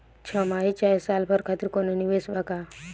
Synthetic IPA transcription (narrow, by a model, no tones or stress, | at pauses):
t͡ʃʰɔmait͡ʃajsalpʰəɾkʰat̪iɾkoneniʋesbaka